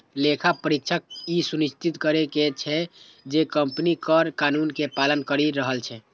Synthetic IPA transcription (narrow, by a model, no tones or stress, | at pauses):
lekʰapəɾitːʃʰək̚isunist̪it̪kəɾeket͡ʃʰɛ | d͡ʒekəmpnikəɾkanunkepalənkəɾiɾəɦəlt͡ʃʰɛ